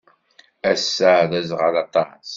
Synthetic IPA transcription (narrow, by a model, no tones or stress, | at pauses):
æsːaðæzʁəlɑt̪ˤɑs